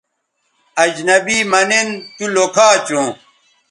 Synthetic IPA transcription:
ɐd͡ʑnɐbiːmɐnent̪ulokʰaːt͡ɕũː

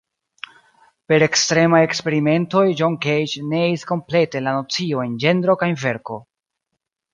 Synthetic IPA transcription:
pe̞ɾe̞kstɾe̞maje̞kspe̞ɾime̞nto̞jd͡ʒoŋkejt͡ʃne̞eisko̞mple̞te̞lano̞t͡sio̞e̞nd͡ʒe̞ndɾo̞kajnve̞ɾko̞

